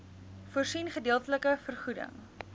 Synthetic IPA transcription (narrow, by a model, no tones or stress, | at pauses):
fuərsinχədiːəlˠtələkəfərχudə̰ŋ